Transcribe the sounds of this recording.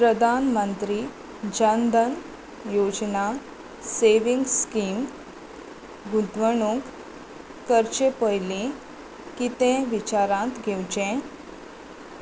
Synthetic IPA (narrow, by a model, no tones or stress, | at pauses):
pɾəd̪ʱanmənt̪ɾiː | d͡ʑənd̪ʱən | jod͡ʑna | seʋĩŋɡskim | ɡut̪ʋəɳuk | kəɾt͡ɕepəjlẽ | kit̪ẽʋit͡ɕaɾãt̪ɡʱewd͡ʑẽ